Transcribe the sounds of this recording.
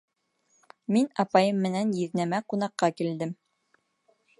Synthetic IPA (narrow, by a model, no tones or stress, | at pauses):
minɑpɑjɤmːɘ̆nænjĭðnæmæqunɑqːɑkild̪ɘm